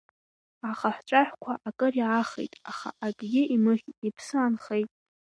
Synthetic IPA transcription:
aχaħʷt͡ʃʷʼaħʷkʷʰaʔakʼɨriaχḛjtʼaχa̰ʔaɡʲʼɡʲɪimɨχʲipʰsɨanχejtʼ

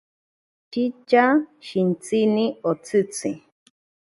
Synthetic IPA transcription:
t͡ʃit͡ʃaʃint͡siniot͡sɨt͡si

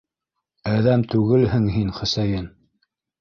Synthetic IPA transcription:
æðæmt̪ʉɣɘlhɘŋɦinχɘ̆sæjɘn

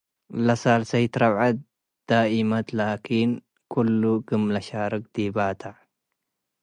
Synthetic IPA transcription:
lɐsaːlsɐjt̪ɾɐwʕat̪̚ | d̪̥aːʔimɐt̪laːkʰiːn | kʰʊlːuɡɨmlɐʃaːɾɨk̚d̪̥ibaːt̪ʰaʕ

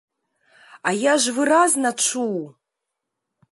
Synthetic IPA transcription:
ajaʒvɨraznaʈ͡ʂʰuw

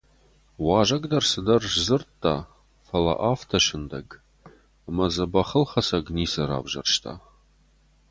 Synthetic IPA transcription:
wɑːʒɐɡd̪ɐrsɨd̪ɐrʒzɨrtʰʼːa̰ː | fɐlɐ̰ʔaːftʰɐʃɪndɐɡʼ | mɐzɐbɐχəlχɐsɐɡniːsɐɾa̰ːbʒɐ̰rʃtʰa̰ː

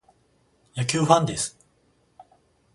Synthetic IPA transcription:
jakʲɨːɸãnd̪e̞sɨ̥

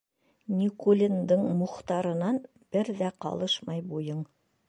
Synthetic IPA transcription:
nʲikolʲind̪ɤɴmŏχt̪ɑɾɤ̆nɑn | b̥ɘɾðæqɑ̰lˠɤʃmɑjbujɤɴ

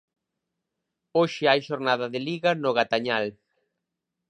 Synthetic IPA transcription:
oʃɪajʃoɾnaðɐðɪliɣɐnʊɣat̪aɲal

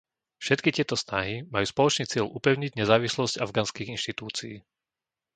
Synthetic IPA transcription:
fʃɛt̪kitɪɛt̪ɔsnaɦimajuːspɔlɔt͡ʃniːt͡sɪɛʎʔupɛʊɲiɟɲɛzaːʋislɔzcavɡaːnskiɣinʃt̪it̪uːt͡siiː

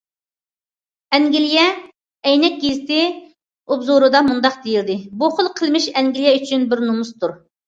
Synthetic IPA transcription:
ɛŋɡʲilijɛ | jnɛk̚ʲɡʲizt̪ɪ | ubzuɾɨd̪ɑmund̪ɑqd̪ejild̪ɪbuχəlˠqʰəlˠmɪʃɛŋɡʲilijɛyt͡ʃʰynbɪɾnumust̪uɾ

